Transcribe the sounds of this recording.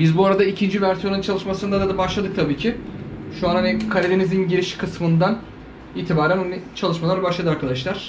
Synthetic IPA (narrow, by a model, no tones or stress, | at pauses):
bizbuaɾad̪aicʰind͡ʒivæɾsijo̞nɯnt͡ʃʰalˠɯʃmasɯnd̪ad̪ad̪abaʃlˠad̪ɯk̚t̪ʰabiːcʰiʃuanɦhanikʰaɾʲed̪enizinɟiɾiʃi̥kʰɯsmɯnd̪an | iːt̪ʰibaːɾænonɯt͡ʃʰalˠɯʃmalˠaɾbaʃlˠad̪ɯaɾkʰad̪aʃlˠaɾ̥